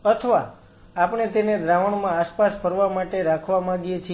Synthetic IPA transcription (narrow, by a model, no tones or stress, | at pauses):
ət̪ʰəʋaː | pɳ̃et̪ened̪ɾaʋəɳmãːspaspʰəɾʋamaʈeɾakʰʋamãɡijet͡ʃʰ